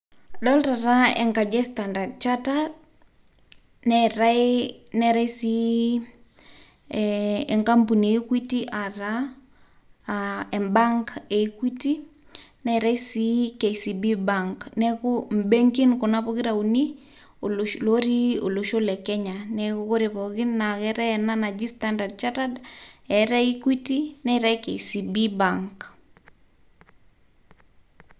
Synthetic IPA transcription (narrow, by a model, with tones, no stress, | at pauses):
dɔ˦lɾa˨ɾa˦ɛ̰˨ŋka˨d͡ʒɛ˦standa˨dt͡ʃa˦ta | nɛɾanɛɾa˦isi | ɛ˨ŋka˦mpu˨nie˨ikwi˦ti˦ʔa˨ɾa | ɛ˨mbaŋke˨kwi˦ti˦ | nɛ˦ɾa˦i˦si˦ke˨isi˨bibaŋknɛko˦m̩be˦ŋki˦nkɔ˨na˦pɔkɪ˦ɾa˨uni˦ | olloɾi˦o˨lo˨ʃo˦lɛ˨kɛ˦ɲanɛko˦ko˦ɾepɔki˦nːa˨kɛɾɛɛ˨na˦na˨d͡ʒistanda˨d̚t͡ʃatadɛ˨ɾa˦i˦kwi˦ti˦nɛ˦ɾake˨isi˨bi˦baŋk